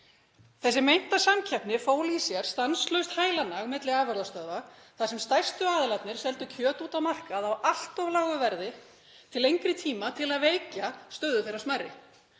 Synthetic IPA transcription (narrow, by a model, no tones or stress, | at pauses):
θɛs̬ːɪmejn̥t̪asamcʰɛpnɪfoːwlisjɛɾ̥st̪anslœɥst̪haːjlanaɣmɪt̪lɪaːvɛɾðast̪œðvaθasɛmst̪ajst̪ʏaːðlat̪nɪɾ̥sɛlt̪ʏcʰœːt̪uːt̪awmar̥kaðawal̥t̪ɔvlaːwɣʏvɛɾðɪ | t̪ʰɪlejŋkɾɪt̪ʰiːmat̪ʰɪlaðveːjcast̪œɥðʏθejɾasmarːɪ̰